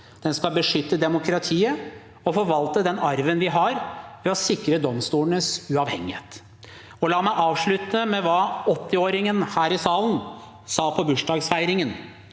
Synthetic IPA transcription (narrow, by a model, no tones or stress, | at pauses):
d̪̥ɛnskɑlbəʂʏt̪ːəd̪ɛmʊkɾɑt̪ʰiːə | ɔfɔɾʋɑlt̪əd̪ɛnɑɾʋənʋɪɦɑɾʋɛɔsɪkɾəd̪ɔmst̪uːlənəsʉɑːʋhɛŋːɪheːt̪ | ɔlɑːmæɪʔɑːʋʂɭʉt̪ːəmɛʋɑːɔt̪ːɪoːɾɪŋənhæːɾɪsɑːlən | sɑːpʰɔbʉʂɖɑːɡsfæɪɾɪŋən